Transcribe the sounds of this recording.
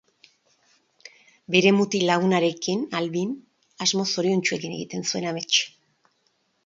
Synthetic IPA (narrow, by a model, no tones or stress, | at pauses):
be̞ɾe̞mut̪ilaɣunaɾe̞kinalβin | azmo̞so̞ɾiunt͡ʃue̞kine̞̰ɣit̪e̞nsue̞name̞t͡ʃ